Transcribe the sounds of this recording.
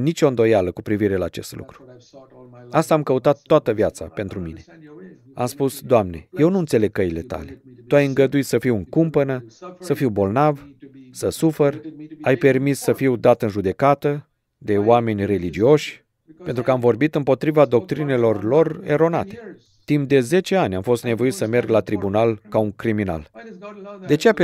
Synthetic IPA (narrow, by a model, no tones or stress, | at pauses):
nit͡ʃo̞ɨnd̪o̞jaləkupɾiviɾe̞laːt͡ʃe̞̰st̪lṵkɾu̥ | ast̪aːmkəut̪at̪ːoat̪əvjat̪sa̰pe̞nt̪ɾumine̞ | a̰mspusd̪oamne̞̰je̞wnuɨnt̪sele̞ɡ̚kːəjile̞t̪a̰le̞t̪uajɨŋɡəd̪uit̪səfiwɨŋkumpənəsəfiwbo̞lnavsəsuferajpe̞rmisːəfiwd̪at̪ɨnʒud̪e̞kat̪ə | d̪e̞owame̞nʲre̞lid͡ʒio̞ʃʲ | pe̞nt̪ɾukəamvo̞rbit̪ɨmpo̞t̪ɾivad̪o̞k̚t̪ɾine̞lo̞rlo̞re̞̰ɾo̞na̰t̪e̞ | t̪impd̪e̞ze̞t͡ʃe̞anʲamfo̞st̪ne̞vo̞it̪səme̞rɡlat̪ɾibunalkauŋkɾimina̰l | d̪e̞t͡ʃe̞a